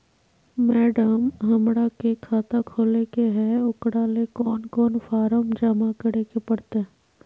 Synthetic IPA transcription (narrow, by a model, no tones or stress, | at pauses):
mɛːɖəmɦɐmɽakekʰaːt̪akʰoːlekeɦɛʊkɽalekɔːnkɔːnfaːɾəmd͡ʒamakəɽekepɐɽt̪eɦ